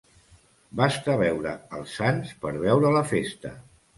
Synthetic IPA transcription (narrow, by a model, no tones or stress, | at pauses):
bast̪əβɛwɾəːlˠsanspəɾβɛwɾələfest̪ə